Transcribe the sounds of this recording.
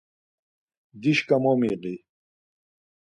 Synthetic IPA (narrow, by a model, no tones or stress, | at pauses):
d̪iɕkɐmoːmiːqi